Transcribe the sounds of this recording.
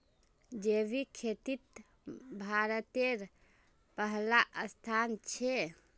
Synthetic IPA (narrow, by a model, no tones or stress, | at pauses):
d͡ʒebikʰet̪it̪ | bʱaɾət̪eɾ | pəɦlaʔəst̪ʰant͡ʃʰe